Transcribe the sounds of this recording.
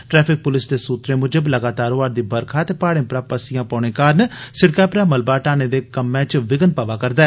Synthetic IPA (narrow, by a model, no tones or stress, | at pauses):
ʈɾɛːpʰɪk̚pʊlɪsd̪eːsuːt̪ɾeːmʊd͡ʒəbləɡaːt̪aːɾoːʋaːɾd̪iːbəɾkʰaːt̪eːpaːɽẽːpɾaːpəsɪjãːpaːɳ̃ẽːkaːɾnsɪɽkaːpɾaːməlbaːʈaːneːd̪eːkəmːɛ̃ːt͡ʃʋɪɡənpaːʋaːkəɾd̪aː